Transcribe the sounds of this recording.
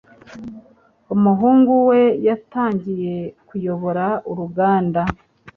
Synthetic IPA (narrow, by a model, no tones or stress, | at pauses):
umuɦuːŋɡuwe̞jataːɲɟije̞kujo̞βo̞ɾauɾuɡaːnda